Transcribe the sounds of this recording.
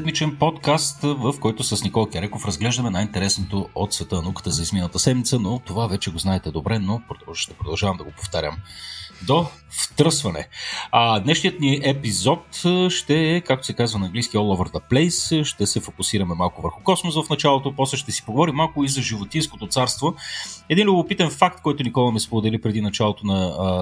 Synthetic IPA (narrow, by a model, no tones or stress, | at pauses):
ɛd̪mit͡ʃɛnpɔt̪kast̪vəfkɔjt̪ʊsəsnikɔlˠkʲɐɾɛkofɾəzɡlɛʒd̪əmɛnajint̪ɛɾɛsnot̪oot̪svɛt̪ənukə̥t̪əzɐizmint̪əsɛd̪mit̪sənot̪ovavɛt͡ʃɛɡoznaɛt̪ɛd̪obɾɛnopɾoʃt̪ɛpɾod̪ɐlˠʒavɐmd̪ɐɡopo̥ft̪aɾjə̰md̪o | ft̪ɾɤsvɐnɛ̰əd̪nɛʃnijət̪niʔɛpizɔt̪ʃt̪ɛːkak̚t̪o̥sɛkazvənɐːŋɡlisk̟iɔlˠɔvəɾd̪ɐplɛjsʃt̪ɛsɛfokʊsiɾɐmɛmalˠkʊvə̰ɾxʊkɔsmosvɐfnɐt͡ʃalˠot̪opɔslɛʃt̪ɛsi̥poɡovɔɾimːalˠkʊizɐʒivot̪insko̥t̪ot̪saɾst̪voɛd̪inlʲʊbopit̪ɛnfak̚t̪̚kɔjt̪ʊnikɔlˠɐmispod̪ɛlipɾɛd̪inɐt͡ʃalˠot̪onɐ